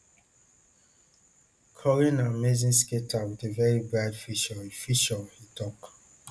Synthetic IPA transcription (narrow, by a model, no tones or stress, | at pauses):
kʰɔɹĩnamezĩnsketʰawidevɛɹibɹadfiʃɔifiʃɔvhitʰɔk